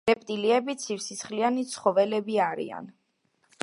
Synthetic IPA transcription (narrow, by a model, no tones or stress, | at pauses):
ɾɛpʼt̪ʼiliɛbit̪sʰifsisχlianit̪sʰχɔvɛlɛbiaɾḭa̰n